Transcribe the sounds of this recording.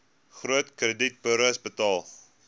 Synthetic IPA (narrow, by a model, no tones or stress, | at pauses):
χruətkrədit̚bəɾəsbətɑlˠ